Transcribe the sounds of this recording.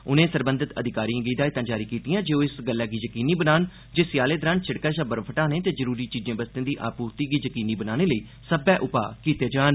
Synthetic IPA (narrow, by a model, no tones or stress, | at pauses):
ʊnẽːsəɾbə̃nd̪ɪt̪ə̰d̪ʱɪkaːɾiːãːɡiːd̪aːɪt̪ãːd͡ʒaːɾiːkiːt̪ijãːd͡ʒeːoːɪsɡəlːɛːɡiːzəkiːniːbənaːn | d͡ʒeːsjaːleːd̪əɾãːnt͡ʃʰɪɽkaːʃaːbəɾpʰəʈãːnẽːt̪eːd͡ʒəɾuːɾiːt͡ʃiːd͡ʒẽːbəst̪ẽːd̪iːʔa̰ːpuːɾt̪iːɡiːzəkiːniːbənaːneːləiː | səbɛːʔʊpa̰ːkiːt̪jaːd͡ʒaːn